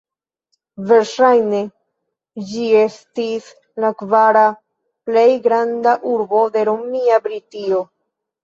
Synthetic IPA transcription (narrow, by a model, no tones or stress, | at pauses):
ve̞ɾʃajne̞ | d͡ʒie̞stis | lakvaɾa | ple̞jɡɾandaʔuɾbo̞de̞ɾomiabɾitio̞